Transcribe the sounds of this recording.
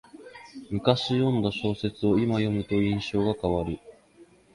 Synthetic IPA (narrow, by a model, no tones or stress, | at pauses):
mɯ̟kaɕijõ̞nd̪aɕo̞ːse̞t͡sɨo̞imajo̞mɯ̟t̪o̞ĩɰ̃ɕo̞ːɡakaβaɾɯ̟